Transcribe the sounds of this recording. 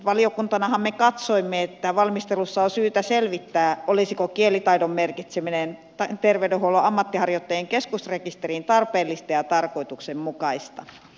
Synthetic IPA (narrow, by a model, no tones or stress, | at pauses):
ʋɑliokunt̪ɑnɑhɑmmekɑt̪soimːeet̪ːæʋɑlmist̪elusːɑosyːt̪æselʋit̪ːæːʔolisikokielit̪ɑidommerkit̪seminen | ɑt̪erʋeydehuoloʔɑmːɑt̪ːihɑrjot̪ːɑjeŋkeskusrekist̪erint̪ɑrpeːlːist̪ɑjɑt̪ɑrkoit̪uksemmukɑist̪ɑ